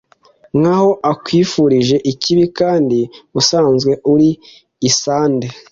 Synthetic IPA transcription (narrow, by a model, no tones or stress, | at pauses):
ŋ̥aho̞ʔakwiːfuɾiʒe̞ʔiciβikaːndiusaːnzɡwe̞ʔuɾiː | saːnde